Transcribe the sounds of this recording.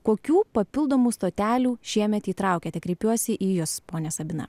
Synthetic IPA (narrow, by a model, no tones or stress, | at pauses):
koːkʲuːpɐpʲɪlˠd̪oːmuːst̪oːt̪ʲæːlʲuːʃʲiɛmʲɛt̪iːt̪ɾɑˑʊkʲeːt̪ʲɛkɾʲɛɪpʲuɔsʲɪʔiːjʊspoːnʲɛsɐbʲɪnɐ̰